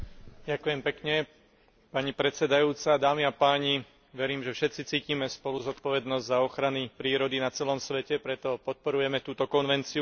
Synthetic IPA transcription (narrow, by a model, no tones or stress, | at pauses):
ɟakujɛmpɛkɲɛ | paɲipɾɛt͡sɛd̪ajuːt͡sad̪aːmiapaːɲi | ʋɛɾiːmʒɛfʃɛt̪t͡sit͡siːcimɛspɔluzɔt̪pɔʋɛd̪nɔzɟzaɔxɾanipɾiːɾɔd̪inat͡sɛlɔmsʋɛcɛpɾɛt̪ɔpɔt̪̚pɔɾujɛmɛt̪uːt̪ɔkɔnʋɛnt͡siu